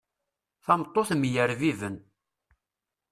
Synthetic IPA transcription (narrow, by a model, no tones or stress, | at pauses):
θɑmt̪ˤːoθmjəɾvivən